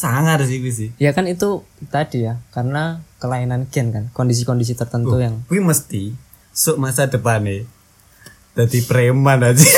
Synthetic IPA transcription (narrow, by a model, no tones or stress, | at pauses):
saŋat̪es̬ikwis̬ɪjakanit̪ut̪adijakarənakəlainanɡɛnkankɔndis̬ikɔndis̬it̪ərt̪ənt̪ujaŋkwiməst̪i | sʊʔmasadəpane | d̥ad̪ipəɾemanad͡ʒɛ